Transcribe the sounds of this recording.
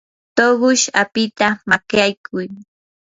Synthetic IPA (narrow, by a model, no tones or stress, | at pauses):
t̪oɢʊʃapɪt̪amakjajkʰʊj